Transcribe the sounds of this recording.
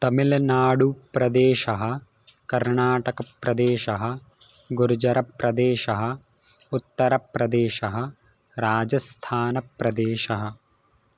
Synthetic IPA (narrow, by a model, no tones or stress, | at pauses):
t̪ɐmilɐnaːɽupɾɐd̪eːʃɐɦɐ̆ | kɐɾɳaːʈɐkɐpɾɐd̪eːʃɐɦɐ̆ | ɡuɾd͡ʒɐɾɐpɾɐd̪eːʃɐɦɐ | ut̪ːɐɾɐpɾɐd̪eːʃɐɦɐ̆ | ɾaːd͡ʒɐst̪ʰaːnɐpɾɐd̪eːʃɐɦɐ